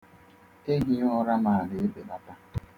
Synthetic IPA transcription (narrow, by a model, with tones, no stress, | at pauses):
e˦ɦi˦ʊ˦ɾa˦ma˨a˨le˨e˦be˨ɓa˦ta˦